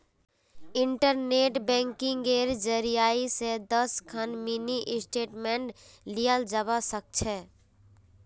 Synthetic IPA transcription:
ɪɳʈəɾneːʈbɛ̃ŋkɪ̃ŋɡeːɾd͡ʒəɾijaːised̪əskʰənminiʔɪsʈeːʈmẽɳʈ | lijəld͡ʒəbasək̚t͡ʃʰɛ

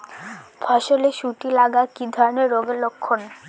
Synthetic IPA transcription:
bʱɔʃoleʃuʈilaɡakid̪ʱɔɾoneɾːoɡelokʰːon

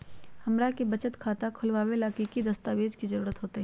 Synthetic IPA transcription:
hɐmɾakebɐt͡ʃət̪kʰaːt̪akʰʊlʋaːwelaːkikid̪ɐst̪aːʋeːd͡ʒkizəɾuːɾət̪ɦoːt̪eɦɛ

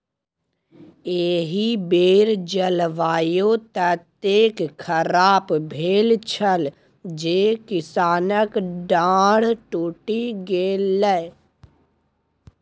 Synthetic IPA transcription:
eːɦibeːɾd͡ʒəlʋaːjot̪ət̪eːkkʰəɾaːpbʱeːlt͡ʃʰəl | d͡ʒeːkɪsaːnəkɖãːɽ̤ʈoːʈiɡeːlɛ

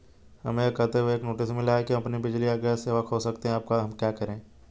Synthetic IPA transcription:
hɐmẽkət̪eʋoeːknoːʈɪsmɪlaːekĩɐpnibɪd͡ʒliaːɡəseːʋəkɦosɐkt̪eɦɛ̃aːp̚kaɦɐmkjaːkɐɾẽː

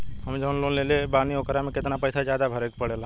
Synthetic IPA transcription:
ɦəmd͡ʒənlonleːlebaːniokɾamẽkɪt̪napəɪsad͡ʒjaːd̪abʱəɾekpəɽela

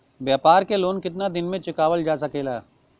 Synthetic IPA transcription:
bjaːpaːɾkeloːnkɪt̪nad̪ɪnmẽt͡ʃɪkaːʋəld͡ʒaːs̬ɐkeːlaː

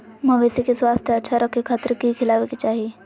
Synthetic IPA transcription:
mə̃ʋesikeswaːst̪ʰjəɐtːʃʰaɾəkʰːikʰːaːt̪ɾkikʰilaːʋekit͡ʃaːɦie

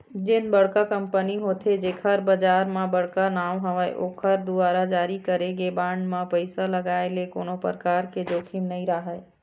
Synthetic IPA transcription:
d͡ʒɪnbəɽkakəmpəniɦoːt̪ʰed͡ʒeːkʰəɾbəd͡ʒaːɾmãbəɽkanaːʋɦəʋəḛʔoːkʰəɾd̪uaːɾad͡ʒaːɾikəɾeɡebaɳɖmãpəɪsaləɡaːelekoːnopəɾəkaːɾked͡ʒoːkʰimnəĩɾaɦəe

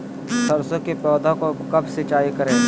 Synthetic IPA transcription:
sɐɾsõkepɔːd̪ʱakokɐbsɪt͡ʃaːikɐɾẽː

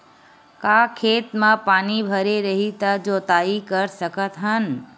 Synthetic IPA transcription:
kaːkʰeːt̪mãpaːnibʱɐɾeɾɐɦit̪ad͡ʒoːt̪aːikəɾsəkət̪ɦən

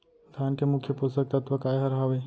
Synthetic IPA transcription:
d̪ʰʱaːnkemʊkʰjəpust̪ək̚t̪ɐt̪ʋəkaːjɦɐɾɦaʋe

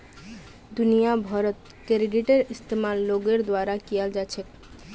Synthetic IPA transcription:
d̪unijabʱɔɾot̪ | keɾeɖiʈeɾist̪emalːoɡeɾd̪oaɾakiald͡ʑaːt͡ɕʰe

